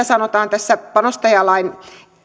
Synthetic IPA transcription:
æsɑnot̪ɑːnt̪æsːæpɑnost̪ɑjɑlɑin

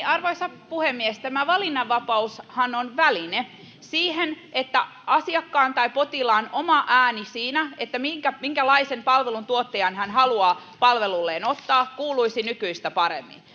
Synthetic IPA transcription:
ɑrʋoisɑ | puhemːiest̪æmæʋɑlinːɑʋʋːɑpɑushɑnonʋæline | siːhenʔet̪ːæʔɑsiɑkːɑːnt̪ɑipot̪ilɑːnomɑʔæːnisiːnæet̪ːæmiŋkæmiŋkælɑisempɑlʋelunt̪uot̪ːejɑnhænɦɑluɑːpɑlʋelulːeːnot̪ːɑːkkuːluisinykyist̪æpɑɾḛmːḭn

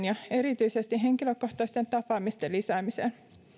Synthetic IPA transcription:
njɑe̞ɾit̪yisest̪iɦe̞ŋkiløko̞ht̪ɑst̪e̞nt̪ɑpɑːmist̪elisæːmisḛn

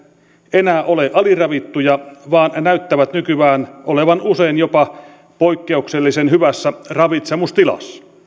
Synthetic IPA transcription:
enæːʔoleʔɑlirɑʋit̪ːujɑʋɑːnnæyt̪ːæʋæt̪nykyʋæːnʔoleʋɑnuseinjopɑ | poikːeukselːisenhyʋæsːærɑʋit̪semust̪ilɑ̰s

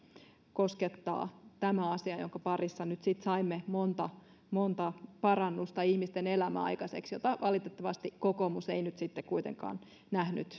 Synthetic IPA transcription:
ko̞sket̪ːɑ̰ːt̪æmæɑsiɑjoŋkɑpɑrisːɑnyt̪sit̪sɑimːemont̪ɑ | mont̪ɑpɑɾɑnːust̪ɑihmist̪ene̞læmæ̰ɑ̰jkɑsḛksjot̪ɑʋɑlit̪et̪ːɑʋɑst̪ikokomuseinyt̪sit̪ːekkuit̪ḛŋkɑ̰ːn | næhnyt̪

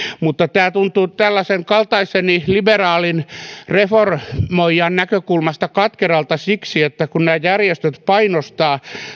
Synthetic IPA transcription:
mut̪ːɑt̪æːt̪unt̪uːt̪ælːæseŋkɑlt̪ɑiseniliberɑːlinreformoijɑnnækøkulmɑst̪ɑkɑt̪kerɑlt̪ɑsiksiet̪ːækunnæːjærjest̪øt̪pɑinost̪ɑː

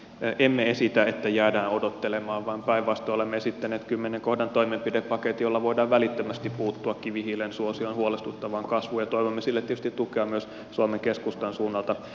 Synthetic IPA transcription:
ʔemːeesit̪æet̪ːæjæːdæːnodot̪ːelemɑːʋʋɑːmpæiʋʋɑst̪oolemːeesit̪ːæneːt̪kymːeneŋkohdɑnt̪oimempideppːɑket̪jolːɑʋoidɑːʋʋælit̪ːømæst̪ippuːt̪ːuɑkkiʋihilensuosionhuolest̪ut̪ːɑʋɑːŋkɑsʋuːjɑt̪oiʋomːesilːet̪ːetys̆t̪it̪ːukeɑmyøs | suomeŋkeskust̪ɑnsuːnːɑlt̪ɑ

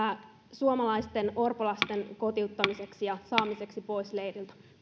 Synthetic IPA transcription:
æ | suomɑlɑjst̪e̞no̞rpolɑst̪e̞nko̞t̪iut̪ːɑmise̞ksijɑsɑːmise̞ksipo̞jslejrilt̪ɑ̥

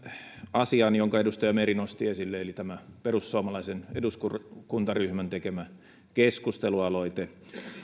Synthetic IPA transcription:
ɑsiɑnjoŋkɑedust̪ɑjɑmerinost̪iesilːeelit̪æmæperusːuɑmɑlɑiseneduskukunt̪ɑryhmænt̪ekemæ | keskust̪eluɑloit̪e

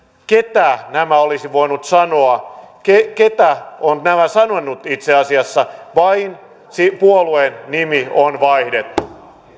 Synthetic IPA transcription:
ket̪æːnæmæolisiʋoinut̪sɑnoɑkeket̪æonnæmæsɑnonːut̪it̪seɑsiɑsːɑʋɑin | sipuoluenːimionʋɑihdet̪ːu

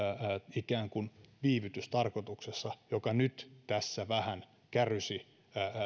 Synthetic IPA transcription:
ikæːŋkunʋiːʋyt̪yst̪ɑrkot̪uksesːɑjokɑnyt̪t̪æsːæʋæhæn | kærysi

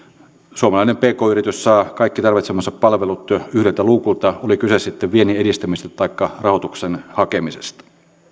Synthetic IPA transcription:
suomɑlɑinempeːkoːyrit̪yssɑːkɑikːit̪ɑrʋit̪semɑsːɑppɑlʋelut̪yhɾelt̪æluːkult̪ɑolikysessit̪ːeʋʋienieɾist̪æmist̪ɑt̪ɑikːɑrɑhot̪uksenhɑkemisḛst̪ɑ̥

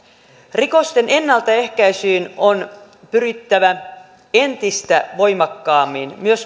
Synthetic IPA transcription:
riko̞st̪e̞ne̞nːɑlt̪ɑe̞hkæisiːnon | pyɾit̪ːæʋæ | ent̪ist̪æʋo̞jmɑkːɑːmːinmyøs

